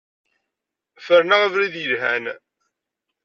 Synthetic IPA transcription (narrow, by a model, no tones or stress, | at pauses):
fəɾnaʁəvɾiðjəlɦæn